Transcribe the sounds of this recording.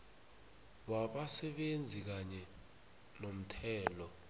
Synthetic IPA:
waɓasɛɓend͡zʱik̬aɲɛ | nom̩tʰɛːlɔ

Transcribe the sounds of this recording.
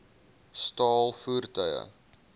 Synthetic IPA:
stɑːlˠfuːrtœjə̰

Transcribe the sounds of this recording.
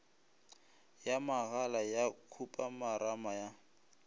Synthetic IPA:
jamaɣalajakʰupʼamaɾamaja

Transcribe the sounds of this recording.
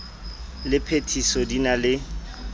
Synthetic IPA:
lɪpʰetʰisɔdinalɪ

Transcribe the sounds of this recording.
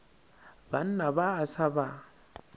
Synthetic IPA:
ban̩nabaːsaba

